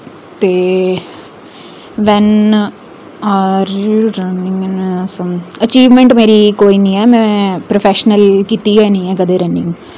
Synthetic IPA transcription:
t̪eː | ʋɛ̃n | aɾuɾɐnĩŋɛnsɐt͡ʃiːʋmẽɳʈmeːɾikoːinĩɛmɛ̃pɾofeʃənəlkit̪iɛnĩːɛ̃kɐd̪eɾɐnĩŋ

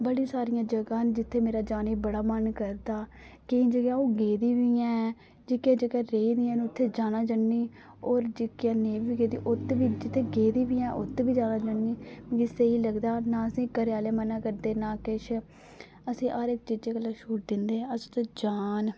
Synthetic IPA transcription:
bəɽĩːsaːɾɪjãːd͡ʒəɡãːnd͡ʒɪt̪ʰːeːmeːɾaːd͡ʒaːniːbəɽaːmənkəɾd̪aː | kɪĩːd͡ʒəɡãːoːɡeːd̪iːʋiɛ̃ː | d͡ʒɪkeːd͡ʒəɡaːɾeːiːd̪iːɛ̃ːnʊt̪ʰːeːd͡ʒaːnãːd͡ʒəɳːiː | oːɾd͡ʒɪkjãːnẽːʋiːɡeːd̪ḭːʔʊt̪ːʋiːd͡ʒɪt̪ʰːeːɡeːd̪iːʋiːɛ̃ːʔʊt̪ːbiːd͡ʒaːnãːd͡ʒəɳiːɡɪseiːləɡd̪aːnãːəsĩːkəɾeaːleːmənãːkəɾd̪eːnaːkɪʃ | əsĩːʔaːɾek̚t͡ʃɪd͡ʒeːkəlːaːʃuːʈ̚d̪ɪnd̪ẽːəsi̥t̪od͡ʒaːn

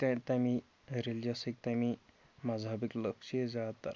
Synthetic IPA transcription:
t̪ãt̪ami | ɾeld͡ʑasek̚t̪ami | mad͡zabikləkʂed͡zat̪ːa̰ɾ

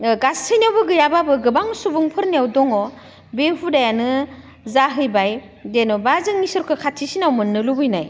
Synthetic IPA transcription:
ɡasʰɯjnawbɯɡɯjababɯɡɯbaŋsubuŋpʰɯɾniawdɔŋɔ | behudajanɯ | zaɦɯjbaj | denɔbazɯŋnisɔɾkʰɯkʰatʰisinawmɯnːɯlubɯjnaj

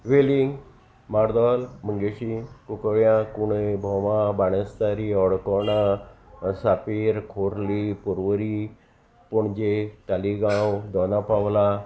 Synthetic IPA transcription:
ʋeliŋɡ | maɾd̪ɔlm̤əŋɡeɕikukɭjãkuɽəbʱɔmãbaɽ̃əst̪aɾiɔɽkɔna | sapiːɾkʰoɾlipuɾʋəɾi | pɔɳd͡ʑet̪aliɡãwd̪ɔnapawla

